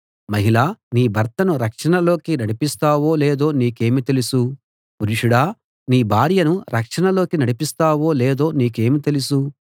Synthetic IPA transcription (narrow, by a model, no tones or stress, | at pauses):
mɐɦilaːniːbʱɐɾt̪ɐnuɾɐkʂɐɳɐlo̞ːkinɐɽipist̪aːwo̞ːleːd̪o̞ːniːke̞ːmit̪elusu | puɾiʂuɽaː | niːbʱaːɾjɐnuɾʔɐkʂɐɳɐlo̞ːkinɐɽipist̪aːwo̞ːleːd̪o̞ːniːke̞ːmit̪e̞lusu